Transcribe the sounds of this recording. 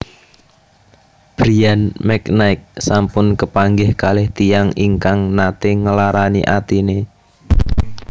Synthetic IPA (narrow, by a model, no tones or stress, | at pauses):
b̥ɾianmɛknaɪk̚sampʊnkəpaŋɡɪhkalɪht̪ijaŋiŋkaŋnat̪eŋəlaɾaniʔat̪ine